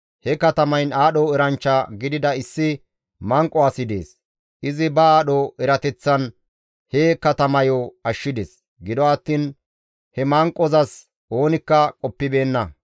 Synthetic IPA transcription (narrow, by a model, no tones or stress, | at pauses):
hɛkɐt̪ɐmɐjnaːɗɔɛɾɐnt͡ʃːɐɡɪd̪ɪd̪ɐɪsːɪ | mɐŋkʼːɔaːsɪd̪e̞̰ːs | ʔɪzɪbɐaːɗɔʔɛɾɐt̪ɛt͡sːɐn | hekɐt̪ɐmɐjoɐʃːɪd̪es | ɡɪd̪ɔɐt̪ːiːn | hɛmɐŋkʼːɔzɐs | ʔo̞ːnɪkːɐkʼɔpːɪbe̞ːnːɐ